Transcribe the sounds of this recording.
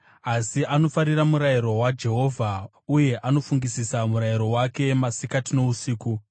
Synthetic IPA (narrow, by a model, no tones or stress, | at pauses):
asiʔano̞faɾiramuɾajiɾo̞wad͡ʒe̞ɦo̞vʱa | uje̞ʔano̞fuŋɡisisamuɾaiɾo̞wake̞masikatino̞usiːku